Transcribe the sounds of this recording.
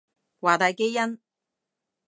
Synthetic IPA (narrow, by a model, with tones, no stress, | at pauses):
waː˨˩t̪aː˨˧jke˥jjɐ˥n